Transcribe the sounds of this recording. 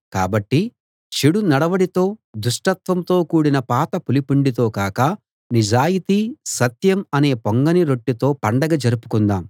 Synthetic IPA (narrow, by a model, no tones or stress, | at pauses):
ka̰ːbɐʈːi | t͡ʃiɽunɐɽɐʋɐɽit̪o̞ːd̪uʂʈɐt̪ʋɐmt̪o̞ːkuːɽinɐpaːt̪ɐpulipuɳɖit̪o̞ːkaːkɐ | nid͡ʒaːjit̪isɐt̪jɐmɐne̞ːpoŋɡɐniɾo̞ʈːit̪o̞ːpɐɳɖɐɡɐd͡ʒɐɾupu̥kund̪aːm